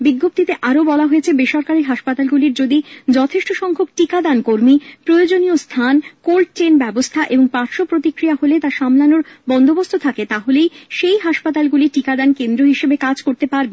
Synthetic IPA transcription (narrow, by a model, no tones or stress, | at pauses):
biɡːop̚t̪it̪eʔaɾobɔlaɦojet͡ɕʰebeʃɔɾkaɾiɦaʃpat̪alɡuliɾd͡ʑod̪id͡ʑɔt̪ʰeʃʈoʃɔŋkʰokʈikad̪ankoɾmipɾojod͡ʑonijost̪ʰankolʈ̚ʈenbɛbost̪ʰaʔeboŋpaɾʃopɾot̪ikɾiaɦolet̪aʃamlanoɾbɔnd̪obost̪ʰot̪ʰaket̪aɦolejʃejɦaʃpat̪alɡuliʈikad̪ankend̪ɾoɦiʃebekad͡ʑkoɾt̪epaɾbe